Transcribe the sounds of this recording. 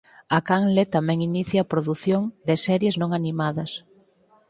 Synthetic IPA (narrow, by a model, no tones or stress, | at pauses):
akaŋlet̪amɛ̃ŋiniθjɐːpɾoðuθjoŋd̪ɪsɛɾjeznõŋanimaðɐs